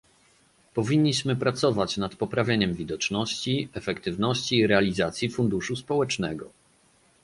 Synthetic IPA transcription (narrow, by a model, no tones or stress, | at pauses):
pɔvʲiɲːiɕmɘpɾat̪sɔvat͡ɕnat̪pɔpɾavʲjeɲɛmvʲid̪ɔt͡ʂnɔɕt͡ɕiɛfɛkt̪ɘvnɔɕt͡ɕiːɾɛalʲizat̪sʲjifund̪uʂuspɔwɛt͡ʂnɛɡɔ